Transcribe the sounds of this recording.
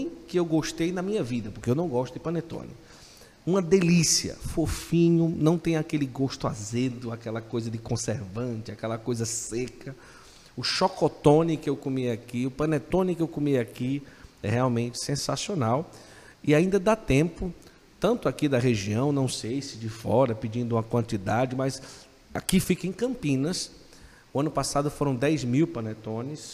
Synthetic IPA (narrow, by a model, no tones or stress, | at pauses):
j̃kɪewɡoʃt̪ejnɐmĩɲɐvid̪ɐpʊɾkeewnɐ̃w̃ɡɔʃt̪ʊd̪ɪpɐ̃net̪õ̰nɪ̰ | ũmɐd̪elisiɐ̰fofĩɲʊnɐ̃w̃t̪ẽj̃akelɪɡoʃt̪ʊa̰zed̪ʊakɛlɐkojzɐd͡ʒ̪ɪkõseɾvɐ̃t͡ʃɪakɛlɐkojzɐsekʰɐ | ʊʃɔkɔt̪õnɪkɪewkomijakiʊpɐ̃net̪õnɪkɪewkomijakiɛ̰heawmẽnt͡ʃɪ̥sẽsasionaw | ɪaĩnd̪ɐd̪at̪ẽmpʊ | t̪ɐ̃nt̪ʊakid̪ɐɦeʒiɐ̃w̃nɐ̃w̃sejsɪd͡ʒɪfɔɾɐpid͡ʒĩnd̪ʊũmɐkwɐ̃nt̪id̪ad͡ʒɪmɐjz | akifikɐẽkɐ̃mpĩnɐs | ʊɐ̃nʊpasad̪ʊfoɾɐ̃w̃d̪ɛjzmiwplɐ̃net̪õnɪs